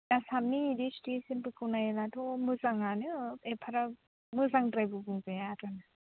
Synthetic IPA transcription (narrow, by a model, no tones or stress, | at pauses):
nasamniːdistisinpɯkɯwnajelatʰomɯzaŋanɯepʰaɾa | mɯzaŋdɾajbɯbɯŋzajatɯna